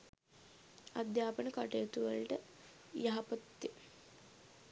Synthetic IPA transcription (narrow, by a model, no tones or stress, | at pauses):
ɐd̪jaːpəɳəkaʈeɐt̪uʋɐ̰lʈə | jɐɦɐpɐt̪je